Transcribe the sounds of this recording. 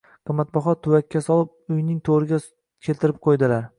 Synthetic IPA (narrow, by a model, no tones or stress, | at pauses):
qʰɨmːat̪̚bɒχɒt̪ʰʊwakʲːasɒlˠɪp̚ʊjnɪŋt̪ʰoɾɪɡʲa | kʲʰe̞lt̪ɪɾɪp̚qʰojd̪ɪlaɾ